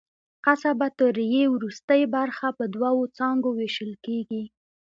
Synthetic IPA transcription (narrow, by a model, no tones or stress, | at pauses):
qasabat̪əɾjewɾust̪əjbaɾxapəd̪wɑwot͡sɑŋɡoweʃəlkeɡi